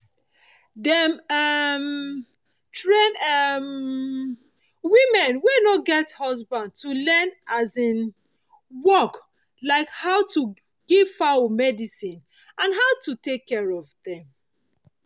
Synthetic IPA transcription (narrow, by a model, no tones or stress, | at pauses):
dɛmam | tɹẽnɛm | wimɛ̃nwenɔtɡɛthɔzbãnd̚tulɛnazĩn | wɔk | laɪkhaʊtu | ɡ̥ivfaomɛdisĩn | ʔãnɦaʊtutekʰːɛɹɔvdɛ̃m